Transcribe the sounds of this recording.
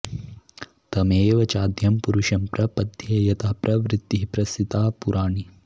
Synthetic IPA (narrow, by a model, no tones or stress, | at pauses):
t̪ɐmeːʋɐt͡ʃaːd̪ʱjɐmpuɾuʃɐmpɾɐpɐd̪ʱjɐjɐt̪ʰɐpɾʔɐʋɾɪt̪ːiɦpɾɐsit̪aːpuɾʔaːɳi